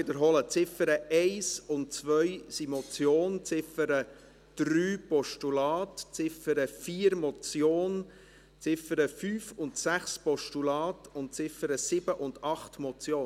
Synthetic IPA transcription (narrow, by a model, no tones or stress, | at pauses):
ɪd̪əɾɦɔlət͡sɪfəɾəɛɪsʊntt͡sʋœʏsimɔt͡sjoːnt͡sɪfəɾə | d̥ɾyːpɔʃtulɑːtt͡sɪfəɾəfiːəɾmɔt͡sjoːn | t͡sɪfəɾəfyːfʊntsæχspɔʃtulɑːtʊnt̚t͡sɪfəɾəsɪb̥əʔʊndɑχtmɔt͡sjoː